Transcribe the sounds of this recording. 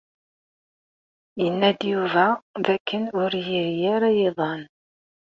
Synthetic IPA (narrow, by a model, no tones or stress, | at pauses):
jənːæd̪juvæðækːənʊɾjiɾjæɾæjeðˤɑn